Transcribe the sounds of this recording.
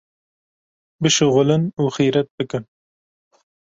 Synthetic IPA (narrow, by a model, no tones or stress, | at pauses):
bɨʃɨɣʊlɨnuːxiːɾɛt̪̚bɨkɨn